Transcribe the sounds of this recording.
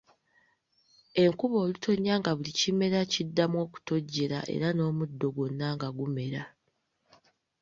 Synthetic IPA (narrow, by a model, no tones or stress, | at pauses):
e̞ŋkuβo̞ːlutʰo̞ɲːaŋɡaβulicime̞ɾacidːamwo̞ːku̥to̞ɟːe̞ɾa̰ʔe̞̰ɾano̞ːmudːo̞ɡwonːaŋɡaɡume̞ɾa